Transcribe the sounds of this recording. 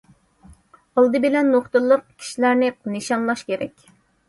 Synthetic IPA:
ɑlˠd̪ɨbɪlɛnːoχt̪ɨlˠːəq̚kʲʰi̥ʃilæɾnɪnɨʃɑnlˠɑʃkʲʰeɾɛkʲ

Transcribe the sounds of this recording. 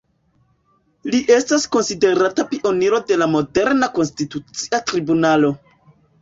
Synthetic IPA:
liʔe̞stasko̞nside̞ɾatapiʔo̞niɾo̞de̞lamo̞de̞ɾnako̞nstitut͡siatɾibunalo̞

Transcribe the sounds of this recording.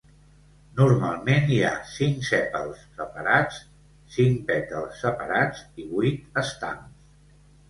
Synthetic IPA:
nuɾmalˠmenia̰siŋsɛpəlˠsɾəpəɾat͡s | siŋpɛt̪əlˠsːəpəɾad͡ziβuit̪əst̪a̰ms

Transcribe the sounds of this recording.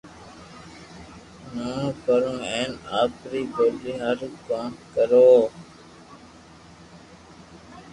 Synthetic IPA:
nõːpəɾũːẽːnaːpɾiːkoːɗiːɦəɾkãːkəɾoː

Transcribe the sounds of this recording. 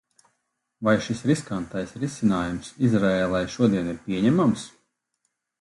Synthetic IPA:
vajʃisɾiskant̪ajsɾisinaːjumsizɾaeːlˠajʃuɔd̪iɛniɾpʲiɛɲɛmams

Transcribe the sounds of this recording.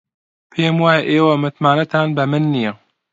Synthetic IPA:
pʰeːmwaːjɛʔeːwɐmɨt̪maːnɐt̪ʰaːnbɐmɨnːijɛ

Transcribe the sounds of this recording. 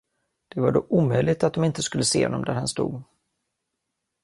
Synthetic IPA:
d̪̥ɛvaɖɔʔuːmœjlɪɡ̚t̪at̪̚d̪ɔmɪnt̪əskɵlːəseːhɔ̰nːɔmd̪æɾhanst̪ṵːɡ

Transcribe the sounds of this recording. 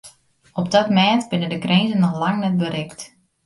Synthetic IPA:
ɔpdɔtmɛːtbɪnədəkrenzənːɔxlaŋnɛt̚bəɾɪkt

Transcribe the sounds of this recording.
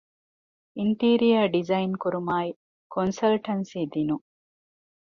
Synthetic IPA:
inʈiːɾijɐɖizɐinkuɾumaːi | konsɐlʈɐnsiːd̪inu

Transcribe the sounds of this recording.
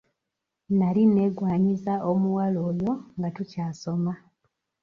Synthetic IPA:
naline̞ɡwaːɲizaomuwaloːjo̞ŋɡatucaːso̞ma

